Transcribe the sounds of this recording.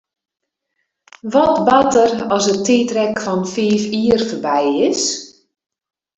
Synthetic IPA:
ʋɔtbatərɔsətʰeːtrɛkfɔnfiːfiːərfərbɛjɪs

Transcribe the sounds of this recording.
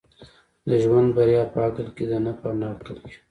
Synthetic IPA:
d̪əʒwand̪baɾjɑpəakəlked̪ənapanɑkəlke̥

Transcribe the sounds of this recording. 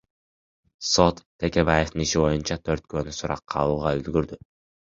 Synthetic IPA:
so̞t̪ːʰe̞kʲe̞βaje̞ft̪ɯniʃiβo̞junt͡ʃɑt̪ʰø̞ɾt̪̚kø̞ːnysuɾɑ̰qʰːɑ̰lˠuːʁɑøzɡyɾd̪y

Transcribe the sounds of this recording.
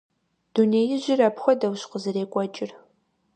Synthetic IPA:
d̥uneːjɪʑɪrɐpxʷɔdɐwɕqəzɨreːkʷʼɔt͡ʃʼɪr

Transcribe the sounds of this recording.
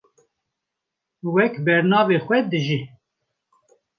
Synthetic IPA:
wɛkbɛɾnɑːvexʷɛd̪ɨʒi

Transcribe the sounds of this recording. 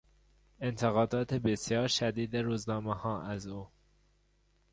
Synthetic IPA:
e̞nt̪ʰeɣɒːd̪ɒːt̪ʰebesjɒːɾʃæd̪iːd̪eɾuːznɒːmehɒːʔæzuː

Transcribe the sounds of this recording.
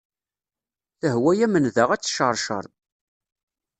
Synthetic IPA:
θəɦwæjæmənðəʁæt͡sːʃəɾˤʃə̰ɾˤð

